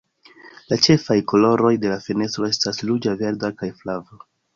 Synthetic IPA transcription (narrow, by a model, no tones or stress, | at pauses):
lat͡ʃe̞fajko̞lo̞ɾo̞jde̞lafene̞stɾo̞e̞staslud͡ʒave̞ɾdakajflavo